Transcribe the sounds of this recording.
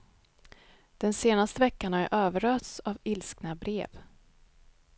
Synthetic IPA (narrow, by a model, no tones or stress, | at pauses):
d̪̥ɛnseːnast̪əvɛkːanaæ̰ɾʔøːvəɾøːt̪savɪlsknabɾḛːv